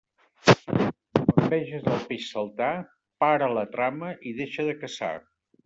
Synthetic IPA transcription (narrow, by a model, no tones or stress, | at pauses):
əmbɛʒəzəlˠpeʃsəlˠt̪a | paɾələt̪ɾaməʔiðeʃəðəkəsa̰